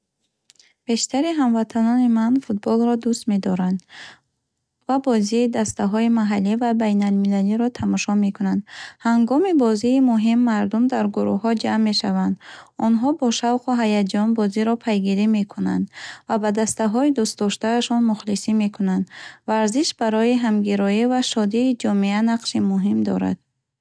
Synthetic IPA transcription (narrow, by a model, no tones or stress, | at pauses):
b̥e̞ʃt̪ʰaɾiɦamvat̪ʰanɔnimanfut̪̚bɔlɾɔd̪ust̪me̞d̪ɔɾand̪ | vabɔziːd̪ast̪aɦɔimaɦalːivabajnalmilaliɾɔt̪ʰamɔʃɔme̞kunand̪haŋɡɔmibɔziːmuɦimːaɾd̪umd̪aɾɡuɾṵhːɔd͡ʒamːe̞ʃavand̪ɔnɦɔbɔʃavquɦajad͡ʒɔnbɔziɾɔpʰajɡiɾime̞kʰuna̰nd̪vabad̪ast̪aɦɔid̪ust̪d̪ɔʃt̪aːʃɔnmuχlisime̞kʰunand̪vaɾziʃbaɾɔiɦamɡiɾɔivaʃɔd̪iːd͡ʒɔmeanaqʃimuɦimd̪ɔ̰ɾa̰d̪̥̚